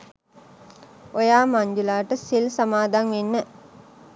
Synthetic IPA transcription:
ojaːmaɲd͡ʒulaːʈəsilsamaːd̪aŋʋenːə

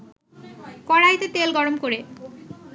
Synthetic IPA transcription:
kɔɽajt̪et̪elɡɔɽomkoɾe

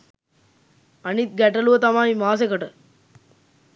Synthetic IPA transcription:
ɐnit̪̚ɡɐʈːɐluʋɐt̪ɐmaːimaːs̬ekɐʈɐ

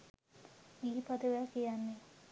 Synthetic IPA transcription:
iːpad̪əʋakijanːe

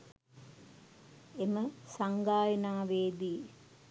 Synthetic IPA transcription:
eməsaŋɡaːjənaːʋeːd̪iː

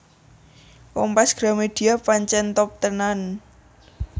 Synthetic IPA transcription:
wɔŋpasɡ̥ɾa̤med̪̥i̤apaɲt͡ʃɛnt̪ɔp̚t̪ənan

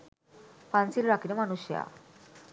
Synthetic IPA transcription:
pansilɾakinomanuɕja̰

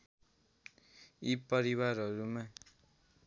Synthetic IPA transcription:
ipʌɾiwaɾɦʌɾuma

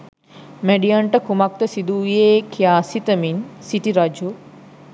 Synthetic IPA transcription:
meɖijaɳʈəkumak̚t̪əsid̪ujeːkʰijaːsit̪əminsiʈiɾad͡ʒu

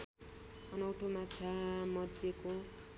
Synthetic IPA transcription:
ʌnʌwʈʰomat͡sʰamʌd̪ʱjeko

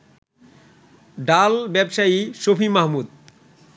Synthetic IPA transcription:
ɖalbɛbʃaiʃopʰimaɦmud̪

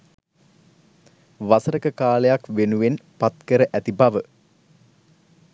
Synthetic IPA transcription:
ʋasəɾəkəkaːlejakʋenuʋenpat̪kəɾəʔæt̪ibaʋə

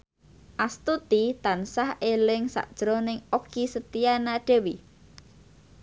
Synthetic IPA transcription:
ʔast̪ut̪it̪ansahelɪŋsa̰ʔd̥ʒ̥ɾonɪŋoɡ̥isət̪ijanaɖ̥e̤wi

